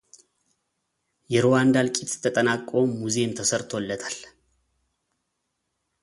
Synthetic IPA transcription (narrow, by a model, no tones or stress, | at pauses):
jɛɾowand̪alkʼit̪t̪ʰːət̪ʼənakʼːo̞mːuzemt̪ʰəsəɾt̪ʰo̞lːət̪ʰal